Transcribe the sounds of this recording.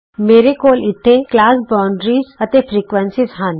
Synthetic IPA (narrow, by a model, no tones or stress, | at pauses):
meːɾekoːlɪt̪ʰːeklaːsbaːɳɖɾiːzɐt̪efʰɾiːkʋənsɪzɦãn